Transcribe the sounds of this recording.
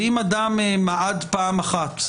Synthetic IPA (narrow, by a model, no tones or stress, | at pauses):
imad̪amemaʔad̪paːmaχat̪